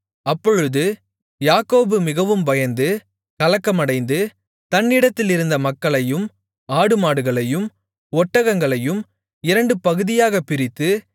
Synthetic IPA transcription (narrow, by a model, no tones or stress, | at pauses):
ɐpːɔɻɯðɯ | jaːkoːbɯmɪɣɐʋɯmpɐjɐnd̪ɯ | kɐlɐkːɐmɐɽɐɪnd̪ɯ | t̪ɐnːɪɽɐt̪ːɪlɪɾɯnd̪ɐmɐkːɐɭɐjɯm | aːɽɯmaːɽɯɣɐɭɐjɯm | ɔʈːɐɣɐŋɡɐɭɐjɯm | ɪɾɐɳɖɯpɐɣɯðɪjaːɣɐpːɪɾɪt̪ːɯ